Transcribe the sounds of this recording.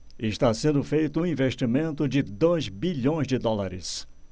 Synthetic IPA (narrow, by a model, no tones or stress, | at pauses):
ɪst̪asẽnd̪ʊfejt̪ʊũĩveʃt͡ʃimẽnt̪ʊd͡ʒɪd̪ojzbiʎõj̃zd͡ʒɪd̪ɔlaɾɪs